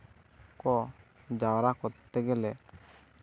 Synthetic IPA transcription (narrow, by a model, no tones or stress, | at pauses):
kɔ | d͡ʒawɾakɔt̪ɛɡɛlɛ